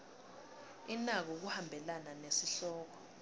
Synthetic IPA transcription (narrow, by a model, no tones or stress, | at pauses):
inak̬ɔk̬uhambʱɛlananesiɬɔːk̬ɔ̥